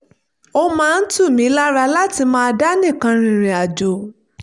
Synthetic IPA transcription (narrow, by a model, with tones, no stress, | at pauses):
o˦mãː˦˧n̩˦tu˦˨mĩ˨˦la˦ɾa˧la˦ti˧mãː˦˧da˦nĩ˦˨kã˨˧ɾ̃ĩ˧ɾ̃ĩ˨a˨d͡ʒo˨